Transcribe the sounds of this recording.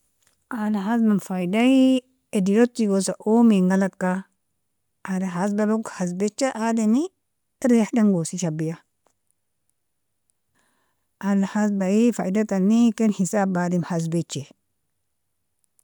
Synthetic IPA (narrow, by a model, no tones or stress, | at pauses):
alaɦaz̬mamfaidai | ediɾotːiɡosaʔomeŋɡalakːa | adeɦas̬balokhaz̬bet͡ʃːeʔadeni | ɾeħdaŋɡosiʃabija | alahasbaifa̰idatanːikenhisabadimhaz̬bet͡ʃːe